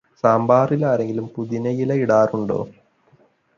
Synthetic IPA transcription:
saːmbaːrilaːɾe̞ŋɡilumpuðinɐjilɐiɽaːruɳɖo̰ː

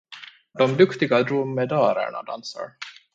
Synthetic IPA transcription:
d̪ɔmd̪ɵkt̪ɪɡad̪ɾʊmːɛd̪ɑːɾə̰ɳa̰d̪ansa̰ɾ

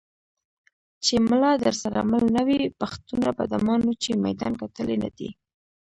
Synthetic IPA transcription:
t͡ʃemlɑd̪əɾsaɾa̰malnawipaxt̪unaba̰d̪amɑnut͡ʃema̰jd̪ɑ̰nkat̪əlena̰d̪ḭ

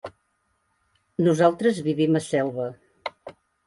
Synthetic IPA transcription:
nuzalˠt̪ɾəzβiβiməsɛlˠβə

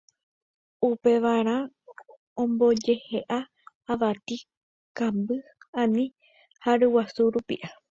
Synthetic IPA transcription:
upe̞ʋaɾ̃ã | õmbo̞d͡ʒe̞he̞ʔaː | ʋat̪i | kãmbɨãnĩ | haɾɨwasuɾupḭʔa

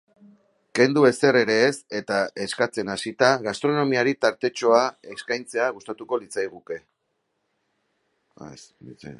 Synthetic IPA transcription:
ke̞nd̪ue̞se̞re̞ɾe̞ːse̞t̪ae̞skat͡se̞nasit̪aɣast̪ɾo̞no̞miaɾit̪aɾt̪e̞t͡ʃo̞ae̞skajnt͡se̞aɣ̞ust̪at̪uko̞lit͡sajɣ̞uke̞ | a̰sit͡s

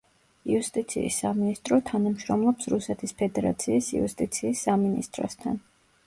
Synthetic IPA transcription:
iust̪ʼit̪sʰḭːsːaminist̪ʼɾɔt̪ʰanamʃɾɔmlˠɔpsɾusɛt̪ʰispʰɛd̪ɛɾa̰t̪sʰiːsḭust̪ʼit̪sʰiːsːaminḭst̪ʼɾɔ̰st̪ʰan

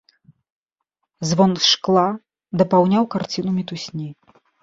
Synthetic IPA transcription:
zvɔnʂklˠa | d̪ɐpawnʲawkart͡sʲinumʲit̪usʲnʲi

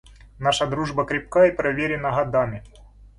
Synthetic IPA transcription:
naʂɐd̪ɾuʐbɐkɾʲɪp̚kaipɾɐvʲeɾʲɪnɐɦɐd̪amʲɪ

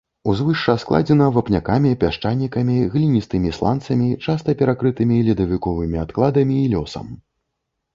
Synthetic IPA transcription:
uzvɨʂt͡ʂɐsklˠa̰d͡zʲɛnɐvɐpnʲakamʲipʲaʂt͡ʂanʲːikɐmʲiɣlʲinʲist̪ɨmʲislˠa̰nt̪sɐmʲit͡ʂast̪ɐpʲɛɾakɾɨt̪ɨmʲilʲid̪ɐvʲikɔvɨmʲiat̪klˠad̪ɐmʲiːlʲɔsɐ̰m

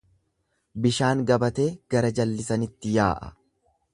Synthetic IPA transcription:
bɪʃaːŋɡɐbɐt̪e̞ːɡ̥ɐɾɐd͡ʒɐlːɪsɐnɪt̪ːɪjaːʔɐ̥̰

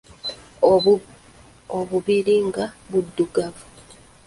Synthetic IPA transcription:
oβuβiɾiŋɡaβudːuɡavu

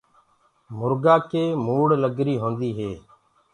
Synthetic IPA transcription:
mʊɾɡaːkeːmuːɽləɡɾiːɦõːnd̪iːɦeː

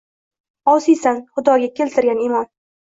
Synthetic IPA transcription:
ɒsijsanχʊd̪ɒɡʲakʲʰe̞lt̪ʰɪɾɡʲanɪmɒn

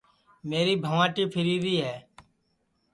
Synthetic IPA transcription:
meːɾiːbʱəʋãːʈiːpʰɪɾiːd̪iːɦɛː

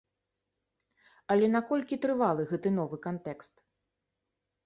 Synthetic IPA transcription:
ɐlʲɛnakɔlʲkʲit̪ɾɨvalˠɨɣɛt̪ɨnɔvɨkant̪ɛkst̪

